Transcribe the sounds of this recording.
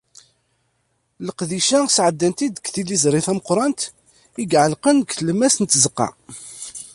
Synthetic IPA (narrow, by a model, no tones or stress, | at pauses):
ləqðiʃæsʕəd̪ːænt̪id̪kθilizɾˤɪθæməqɾˤɑnt̪ | iɡʕəlqənkθləmæsənt̪ːzəqːɑ̰